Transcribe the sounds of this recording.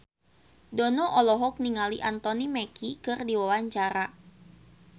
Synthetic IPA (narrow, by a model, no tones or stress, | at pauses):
dɔnɔʔɔlɔɦɔk̚niŋaliʔant̪ɔnimɛkikɨrdiwawaɲt͡ʃaɾa